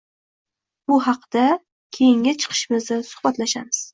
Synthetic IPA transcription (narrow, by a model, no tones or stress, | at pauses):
bʊɦɑqd̪̥a | kʲʰejɪŋʲat͡ʃʰɨ̥qʰɨ̥ʃɪmɪznɪsʊ̥hbat̪laʃamɪz̥